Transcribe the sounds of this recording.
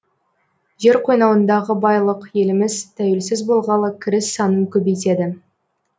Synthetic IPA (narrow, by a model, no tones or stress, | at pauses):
ʒe̞ɾqʰo̞jnɑwənd̪ɑʁəbɑjlˠəqje̞lɪmɪzt̪ʰæwelsɪzbo̞lˠʁɑlˠəkʲʰɪɾɪsːɑnəŋkʲʰɵbejt̪̬e̞d̪ɪ